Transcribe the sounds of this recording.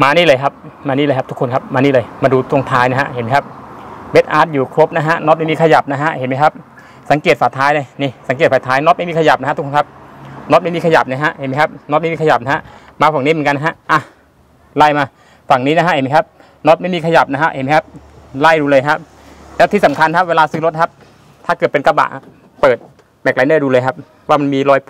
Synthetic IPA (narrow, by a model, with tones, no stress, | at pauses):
maː˧niː˥˩lɤː˧jkʰa˦˥p̚ | maː˧niː˦˥˩lːkʰa˦˥pt̪ʰu˦˥kʰːo˧nkʰa˦˥p̚maː˧niː˥˩lɤː˧jmaː˧duː˧t̪ʰo˧˩ŋt̪ʰaː˦˥jna˦˥˩ɦa̰˧˥ʔɦe˨˩˦nma˦˥˩kʰa˦˥p̚we˦˥t̪̚ʔaː˨˦˥t̪̚juː˨˩kʰlo˦˥p̚na˦˥ɦa˦˧˥ʔnɔ˦˥t̪̚ma˥˩jmiː˧kʰa˧ja˨˩p̚na˦˥ɦa˧˥ʔhe˨˦nma˦˥jkʰa˦˥p̚ | sa˨˦ŋkeː˨˩t̪̚faː˨˩jt̪ʰaː˦˥jna˧˩ni˧˩sa˩˦ŋke˨˩t̪fa˨˩t̪ʰaː˦˥jnɔ˧˦˥t̪̚a˥jmiː˧kʰa˧ja˨˩p̚a˦˥a˧t̪ʰu˦˥kʰo˧ŋkʰp̚nɔ˧˦˥t̪̚a˥jmiː˧ka˧ja̰˨˩p̚na˦˥ɦa˦˥ʔhe˨˦nma˦jkʰa˦˥p̚nɔ˦˥t̪̚m˥˩iː˧kʰja˨˩p̚na˧˥ɦa˧˥ʔmaː˧fa˨˩ŋi˦˥˩mɯ˩˦ka˧na˧ɦa˦˥ʔʔa˧˩ | la˧˩jmaː˧ | fa˨˩ŋniː˦˥na˦˥ɦa˦˥ʔe˨˦ma˦˥˩kʰa˦˥p̚ | no˦˥t̪̚ma˥˩jmiː˧kʰa˧ja˨˩p̚na˦˥kʰa˦˧˥ʔhḛ˨˩˦nma˦˥jkʰa˦˥p̚ | la˧˥˩jduː˧lɤː˧jkʰa˦˥p̚ | lɛː˦˥wt̪ʰiː˧˩sa˨˩˦mkʰa˧nkʰa˦˥p̚weː˧laː˧sɯː˦˥lo˦˥t̪̚kʰa˦˥p̚ | t̪ʰaː˥˩kɤ˨˩t̪̚pe˧nka˧ba̰˨˩ʔ | pɤː˨˩t̪̚ | mɛ˨˩kla˨˦jnaː˧˩duː˧lɤː˧jkʰa˦˥p̚ | waː˥˩ma˧nmiː˧lɔː˧˥j